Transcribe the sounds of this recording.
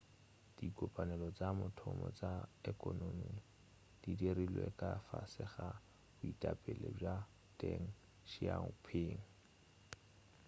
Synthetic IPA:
d̥ikʼɔpʼanɛlɔt͡samʊtʰɔmɔt͡saekʼɔnomi | d̥idirilwekʼafasɪχa | bʊitʼapʼɛleb͡ʐa | deŋ̩ | ʃiaŋpʰɪːŋ̩

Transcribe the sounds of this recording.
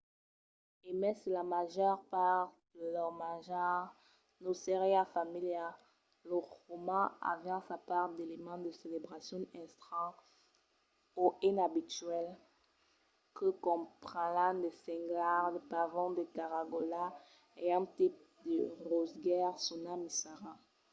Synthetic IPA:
emɛsəlamaʒœʁpaʁdəlœʁmaʒaʁ | noseʁeafamilja | lɔʁomɑ̃a̰vɛ̃sapaʁd̪elemɑ̃d̪əselebʁasjɔ̃ɛ̃st̪χɑ̃ | oinabit̪ɥɛl | kəkɔ̃pχɑ̃lãd̪esɛ̃ŋɡlaʁd̪epavɔ̃d̪əkaʁaɡola | eɛ̃t̪ip̚ | d̪əʁozɡɛʁsunamisaʁa

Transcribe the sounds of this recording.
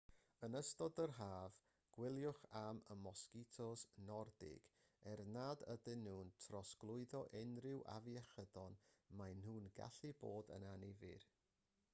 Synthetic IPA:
ənəstɔdərɦaːv | ɡ̥wɪlˠjʊχaməmɔskɪtʰɔsnɔrdɪ̰ɡ̥ | ɛrnaːdədɪnuːntʰrɔsɡ̥lˠʊɨðɔʔɛnrɪwʔa̰viɛχədɔnmajnhuːnɡa̰ɬɨboːdə̰nanivɨ̰r

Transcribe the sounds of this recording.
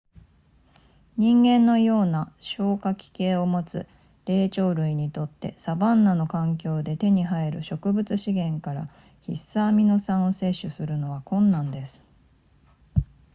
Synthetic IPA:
ɲ̟ĩŋɡẽ̞nːo̞jo̞ːnaɕo̞ːkakʲi̥ke̞ːo̞mo̞t͡sɨ̰ | ɾe̞ːt͡ɕo̞ːɾɯ̟iɲ̟it̪o̞t̪ːe̞̰sabãnːano̞kãŋk̬ʲo̞ːd̪e̞t̪e̞ɲ̟iɦaeɾɯ̟ɕo̞kɯ̟bɯ̟t͡sɨɕiɡẽ̞ŋkaɾa̰ | çisaːmʲinosãɰ̃o̞se̞ɕːɨsɨɾɯ̟no̞βakõ̞nːãnd̪e̞sɨ̥

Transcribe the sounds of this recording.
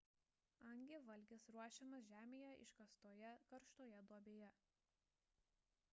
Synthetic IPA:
ɐŋʲɡʲeʋɐlʲˑɡʲɪsɾuɔʃʲɛmɐsʒʲæːmʲeːjɛʔɪ̰ʃkɐst̪oːjɛkɐɾʃt̪oːjɛd̪uɔbʲeːjɛ

